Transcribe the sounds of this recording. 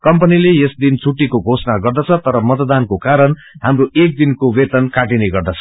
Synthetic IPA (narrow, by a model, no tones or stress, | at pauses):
kʌmpʌnilejesd̪int͡sʰuʈːikoɡʱosnaɡʌrd̪ʌt͡sʰʌt̪ʌɾʌmʌt̪d̪ankokaɾʌn | ɦamroek̚d̪inkowet̪ʌnkaʈineɡʌrd̪ʌt͡sʰʌ̥